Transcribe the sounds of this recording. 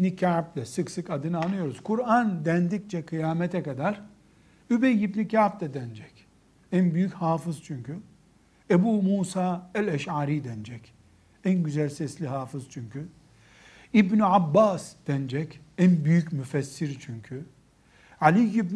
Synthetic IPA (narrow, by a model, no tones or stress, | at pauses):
nicʰaʕp̚lʲɛsɯksɯkad̪ɯnɯanɯjo̞ɾuzkʰuɾand̪ænd̪ic̚t͡ʃʰɛkʰɯjaːmɛt̪ʰɛkad̪aɾ | ybejibnicʰaːp̚lɛd̪ænd͡ʒɛc | ænbyjychaːfɯz̥t͡ʃʰyɲcʰy | ebuːmuːsaːɛlʲɛʃaːɾiːd̪ɛnd͡ʒɛc | ænɟyzælʲsɛslʲiɦaːfɯz̥t͡ʃʰyɲcʰy | ibnyabːaːsd̪̥ɛnd͡ʒɛcænbyjycmyfɛsːiɾt͡ʃʰyɲcʰy | ʕalʲijibn